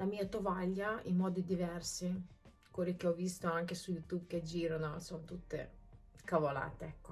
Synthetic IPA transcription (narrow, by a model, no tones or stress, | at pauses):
lamiːat̪ovaʎːaḭmmɔːd̪id̪ivɛrsi | koɾikeɔvist̪oaŋkesujut̪ubked͡ʒiːɾanosont̪ut̪ːḛ | kavola̰ːt̪eɛkːo